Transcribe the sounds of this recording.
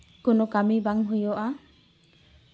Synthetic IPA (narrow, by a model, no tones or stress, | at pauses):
kʊnʊkamibaŋɦujɔʔa